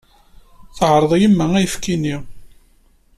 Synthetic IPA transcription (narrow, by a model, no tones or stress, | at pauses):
θʕɾˤəðˤjimːææjəfkini